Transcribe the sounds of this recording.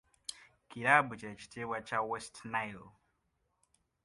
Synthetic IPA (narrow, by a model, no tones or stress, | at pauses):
kiɾabut͡ʃiɾat͡ʃi̥tʰewat͡ʃawestnajl